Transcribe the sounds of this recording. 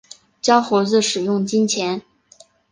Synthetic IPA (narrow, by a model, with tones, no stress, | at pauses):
t͡ɕjɑ˥ʊxo˧˥ʊt͡sɹ̩˥˩ʂɻ̩˨˩jʊ˥˩ŋt͡ɕi˥nt͡ɕʰjɛ˧˥n